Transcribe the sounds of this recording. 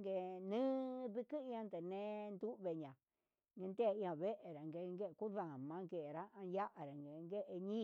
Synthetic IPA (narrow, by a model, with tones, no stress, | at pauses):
ŋɡe˧nɨ̃ː˦ðɨ˧kɨ˦i˧ã˧nd̪e˨nẽ˧˦nd̪u˦ʔβe˧˨ɲã˨ | ŋɡe˧nd̪e˦˨ĩ˧ã˧˨βe˦ʔe˨ɾa˨ŋɡe˧ŋɡe˦ʔku˦ða˨mã˧˦ŋɡe˨ʔɾa˦ã˧ja˦ʔa˨ɾa˨ŋɡe˨˧ŋɡe˦ʔe˧ɲĩ˦